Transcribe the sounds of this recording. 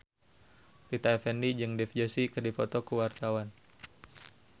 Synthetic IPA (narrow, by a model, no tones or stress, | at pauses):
pit̪aɛfɛndid͡ʒɨŋdɛfd͡ʒəsikɨrdifɔt̪ɔkəwart̪awan